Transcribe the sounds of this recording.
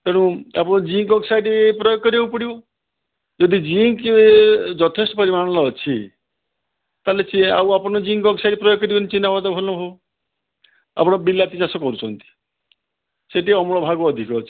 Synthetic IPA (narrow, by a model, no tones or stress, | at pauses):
peɽ̃ũapɔɽ̃ɔd͡ʒiŋkɔɡsajɖipɾɔjɔkːɔɾieupɔɽibɔ | d͡ʒɔd̪ʱid͡ʒiŋked͡ʒɔt̪ʰesʈɔpɔɾimaɽ̃ɔlɔːt͡ʃʰi | t̪alet͡ʃia̰wapɔɽ̃ɔd͡ʒiŋkɔɡsajɖipɾɔjoɡːɔɾibɔnit͡ʃinːabad̪ɔbʱɔlnɔbʱɔɔ | a̰pɔɽ̃ɔbilat̪it͡ʃasɔkɔɾut͡ʃʰɔnt̪i̥ | seʈiɔmɔɭɔbʱaɡɔːd̪ʱikɔːt͡ʃʰi̥